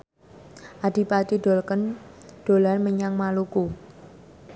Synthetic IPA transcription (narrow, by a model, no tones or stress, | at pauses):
ʔad̥i̤pat͡ʃiɖ̥o̤lkənɖ̪̥o̤lanməɲaŋmaluku